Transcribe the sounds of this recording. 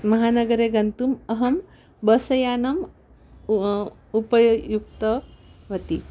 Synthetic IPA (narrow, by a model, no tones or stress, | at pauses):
mɐɦanɐɡəɾeɡɐnt̪umɐɦɐm | bɐsɐjaːnɐm | upɐjjuk̚t̪ɐʋɐt̪i